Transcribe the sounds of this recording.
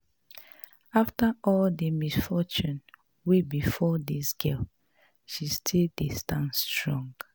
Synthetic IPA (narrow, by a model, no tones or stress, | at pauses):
aftaɔldəmisfɔt͡ʃũn | webifɔdisɡɛl | ʃistʰildistãnstɹɔ̃ŋɡ